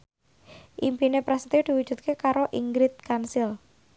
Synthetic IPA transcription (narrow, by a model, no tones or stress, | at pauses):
ʔimpinepɾasə̥t̪id̪̥i̤wu̥ʒ̥ṳt̪̚kekaɾoʔiŋɡɾɪt̪̚kansɪl